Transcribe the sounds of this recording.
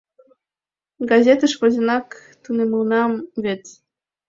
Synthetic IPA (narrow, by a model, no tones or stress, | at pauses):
ɡɑzʲet̪əʃβəzʲə̆nɑkt̪uneməlnɑmβet͡s